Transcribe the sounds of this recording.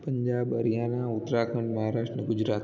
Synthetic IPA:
pɐ̃ɲd͡ʑaːbɐɾijaːnaʊt̪ːɾaːkʰə̃ɳɖmɐɦaːɾaːʂʈɾəɡʊd͡ʑɾaːt̪

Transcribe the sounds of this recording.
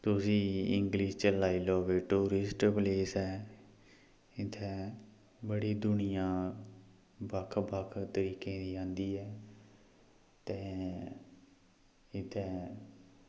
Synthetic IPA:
t̪ʊsiːɪŋɡliːʃt͡ʃəlaːiːloːʋeːʈuːɾɪsʈpleːsɛː | ɪt̪ʰɛː | bəɽiːd̪ʊnɪjãː | bəkʰbəkʰt̪əɾiːkẽːd̪iːãːnd̪iːɛː | t̪ɛ̃ː | ɪt̪ʰːɛː

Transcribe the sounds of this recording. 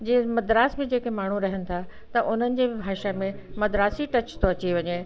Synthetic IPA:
d͡ʑĩːmɐd̪ɾaːsmẽd͡ʑeːkemaːɳ̤ũɾɐɦənɪ̆t̪ʰa | t̪ɐʔʊn̤ənɪ̆d͡ʑeːbʱaːʃamẽmɐd̪ɾaːsiʈɐt͡ɕt̪ʰoɐt͡ɕiʋɐɲe

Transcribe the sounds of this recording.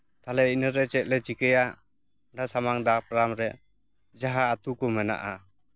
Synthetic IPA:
t̪alɛinəɾɛt͡ʃɛt̪̚ˀlɛt͡ʃikəja | nasamaŋd̪ak̚pɾamɾɛ | d͡ʒaɦaːt̪ukɔmɛna̰ʔa

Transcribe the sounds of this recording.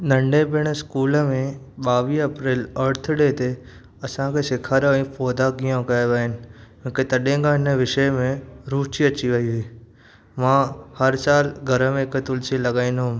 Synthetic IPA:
nə̃ɳɖebɪɽ̃əskuːləmẽ | ɓaːʋiːɐpɾeːləɾt̪ʰɽet̪e | ɐsãkʰesɪkʰaːɾʋĩpɔːd̪aɡijãkajʋaɦɪnɪ̆jõːket̪əɗẽːŋɡãɦɪnəʋɪʃəjmẽɾuːt͡ʃiət͡ʃiʋɐɦiɦiː | mãːhəɾsaːlɡʱəɾəmẽkət̪ʊlsiləɡaːĩnɦʊ̃m

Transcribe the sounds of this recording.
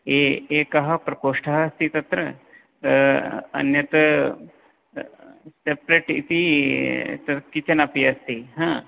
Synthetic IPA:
eeːkɐɦɐpɾɐkoːʂʈʰɐɦɐɐst̪it̪ɐt̪ɾɐ | ɐ̰njɐt̪ɐ | sepɾeːʈḭt̪i | t̪ɐkit͡ʃɐnɐpiɐst̪iɦãː

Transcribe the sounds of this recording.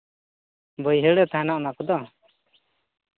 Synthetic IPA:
bɔjɦɛɽɛt̪aɛnaʔnakɔd̪ɔ

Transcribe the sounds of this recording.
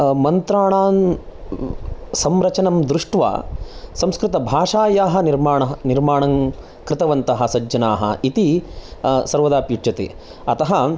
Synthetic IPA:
mɐnt̪ɾaːɳaːn | sɐmɾɐt͡ʃɐnɐmd̪ɾuʂʈʋa̰ːsɐmskɾɪt̪ɐbʱaːʂaːjaːɦɐ̆niɾmaːɳɐɦɐniɾmaːɳɐŋ | kɾɪt̪ɐʋɐnt̪ɐɦɐsɐd͡ʒːɐnaːɦɐ̰it̪i | sɐɾʋɐd̪aːpjuʈt͡ʃɐt̪ḭ | ɐt̪ɐɦɐ

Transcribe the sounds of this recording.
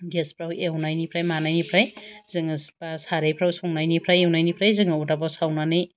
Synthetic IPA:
despʰɾawʔewnajnipʰɾajmanajnipʰɾajz̥ɯŋɯspasaɾejpʰɾawsɔŋnajnipʰɾajewnajnipʰɾajzɯŋɯutabɔsawnanɯj

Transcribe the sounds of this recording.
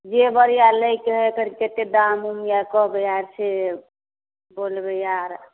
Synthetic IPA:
d͡ʒebəɾijaləjkeɦɔk̪əɾiket̪ed̪amumjakɔɦbejaɾsʰe | bolbejaɾ

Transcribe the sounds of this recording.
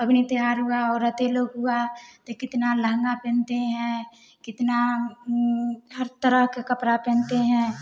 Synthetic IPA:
əbnit̪ɪɦaːɾɦuaɔːɾːət̪eloːɡɦʊat̪okɪt̪naləɦŋɡapɛ̃ːnt̪eɦɛ̃ | kɪt̪na | ɦəɾt̪əɾəɦkekəpɾapɛ̃ːnt̪eɦɛ̃ː

